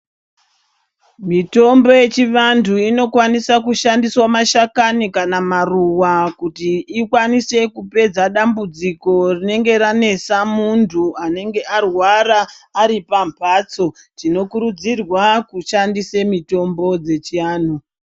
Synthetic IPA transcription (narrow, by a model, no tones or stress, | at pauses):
mito̞mbo̞je̞t͡ʃiʋantʰuino̞kwanisakuʃandiswamaʃakanikanamaruwakutiːkwanise̞kupe̞d͡zaɗambud͡ziko̞rine̞ŋɡe̞ɾane̞samuntʰuane̞ŋɡe̞ʔarwaɾaːɾipampʰat͡so̞ | tino̞kuɾud͡zirwakuʃandisemito̞mbo̞d͡ze̞t͡ʃiaːn̤u